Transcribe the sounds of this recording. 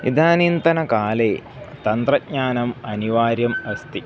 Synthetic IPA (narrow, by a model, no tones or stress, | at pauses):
ḭd̪ʱaːnint̪ɐnɐkaːleː | t̪ɐnt̪rɐt̚ɲaːnɐmɐniʋaːɾjɐmɐst̪i